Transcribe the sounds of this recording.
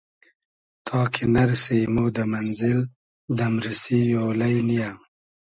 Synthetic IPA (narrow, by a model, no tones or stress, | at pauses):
t̪ʰɑːkʰenaɾsejmod̪əmanzɪl | d̪amɾɪsijolajnijam